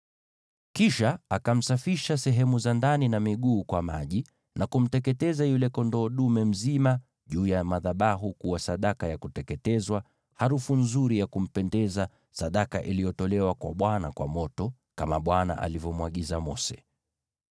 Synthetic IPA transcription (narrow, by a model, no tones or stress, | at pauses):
kiʃaakam̩safiʃasɛɦɛmuzandaninamiɠuːkwamaʄi | nʔakum̩tɛkɛtɛzajulɛkɔndɔːɗumɛm̩zima | ʄuːjamaðaɓaɦukuwasaɗakajakutɛkɛtɛzwa | haɾufunzuɾijakum̩pɛndɛza | saɗakaʔilijɔtɔlɛwakwa̰ɓwana̰kwa̰mɔtɔ | kamaɓwana̰ʔa̰livɔmwaɠizamɔsɛ̥